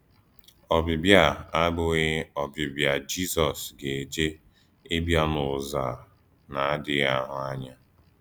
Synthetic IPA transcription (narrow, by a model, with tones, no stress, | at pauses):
ɔ˨bɪ˨bja˦˨a˦ɡ͡bʊ˦ɣe˦ɔ˨bɪ˨bja˨d͡ʒi˦sɔ˨sɡe˨d͡ʒe˦ | e˦bja˦mʊ˨za˨ | na˨a˦dɪ˦ɣa˦ɦʊ˨a˦ɲa˦